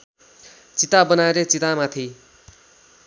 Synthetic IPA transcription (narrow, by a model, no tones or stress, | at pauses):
t͡sit̪abʌnaeɾet͡sit̪amat̪ʰi